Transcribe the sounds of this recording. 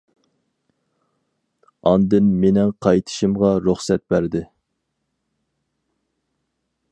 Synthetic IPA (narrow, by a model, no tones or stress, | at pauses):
ɑnd̪ɨnmenɪŋqʰɑjt̪ʰɨ̥ʃɨmʁɑɾuχsɛt̪̚bæɾd̪ɪ